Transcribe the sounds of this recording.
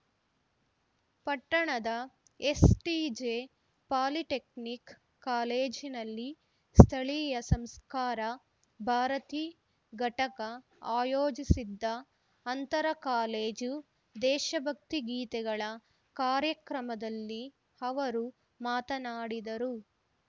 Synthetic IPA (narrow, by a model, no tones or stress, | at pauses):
pɐʈːɐɳɐd̪ɐ | esʈid͡ʒeː | paːliʈeknikː | aːleːd͡ʒinɐlːi | st̪ʰɐɭijɐsɐmskaːɾɐ | bʱaːɾɐt̪iː | ɡʱɐʈɐkɐ | aːjoːd͡ʒisid̪ːɐ | ɐnt̪ɐɾɐkaːleːd͡ʒu | d̪ɛːʃɐbʱɐk̚t̪iɡiːt̪ɛɡɐɭɐ | kaːɾjɐkɾɐmɐd̪ɐlːi | ɐʋɐɾu | maːt̪ɐnaːɽid̪ɐɾu